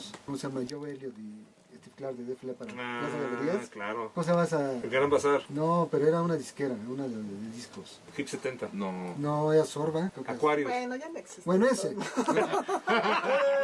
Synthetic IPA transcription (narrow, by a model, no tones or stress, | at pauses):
skomosamaʝoβeljoðe | est̪ifklaɾðeðeflepaɾamas̬aβeeðjesklaɾokomos̬eβasakaɾampasaɾnopeɾoeɾaunaðiskeɾaunaðeðeðeðiskos | xipset̪ent̪anonoeasoɾβakɾekaekwaɾjoenojand̪eksisbwenoese